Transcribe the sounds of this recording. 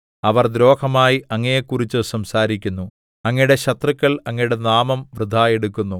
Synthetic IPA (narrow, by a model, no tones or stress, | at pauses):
ɐʋɐrd̪ɾo̞ːkʰɐmaːjiɐŋːɐjekːurit͡ɕːɨsɐmsaːɾikʲːunːu | ɐŋːɐjɽe̞ɕɐt̪rɨkːɐɭɐŋːɐjuɽe̞naːmɐmʋrɨd̪ʱːaːjeɽukːunːu